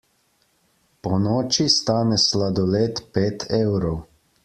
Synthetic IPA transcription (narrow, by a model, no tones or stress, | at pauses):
pɔnɔːt͡ʃist̪aːnɛslad̪ɔleːt̪peːt̪ʰeːwɾɔw